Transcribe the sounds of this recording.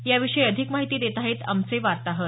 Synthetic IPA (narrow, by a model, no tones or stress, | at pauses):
jaʋiʂəjəd̪ʱikmaɦit̪iːd̪et̪aɦet̪a̰mt͡seʋaɾt̪aɦət̪